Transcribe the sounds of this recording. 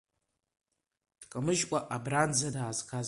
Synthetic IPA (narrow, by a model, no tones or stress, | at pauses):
d̥kʼamɨʒkʷʼaʔabrand͡zadaːzkʰaz